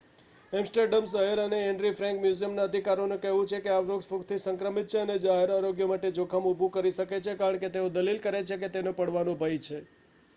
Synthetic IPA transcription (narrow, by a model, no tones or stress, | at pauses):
ɛmsʈəɾɖəmsəɦeɾəneɛɳɖɾifʰɾɛ̃ŋkmjuzijəmnaəd̪ʱikaɾonukɛɦʋũt͡ʃʰekeaʋɾoɡspukt̪ʰisəŋkɾəmit̪̚t͡ʃʰeəned͡ʒaɦeɾaɾoɡjəmaʈed͡ʒokʰamubʱũkəɾiʃəket͡ʃʰekaɾəɳket̪eod̪əlilkəɾet͡ʃʰeket̪enõpəɽʋanõbʱəjt͡ʃʰe